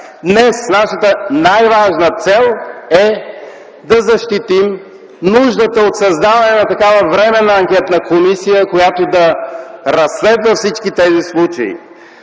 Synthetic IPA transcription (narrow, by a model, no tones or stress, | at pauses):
d̪nɛsnaʃət̪ənajvaʒnət̪sɛlˠɛ | d̪ɐzɐʃt̪it̪im | nuʒd̪ət̪əot̪sɐzd̪avɐnɛnɐt̪ɐkavəvɾɛmɛnəɐŋkʲɛt̪nəkomisijəkojat̪od̪ɐɾɐsːlɛd̪vəfsit͡ʃkit̪ɛzislˠut͡ʃɐ̰ḭ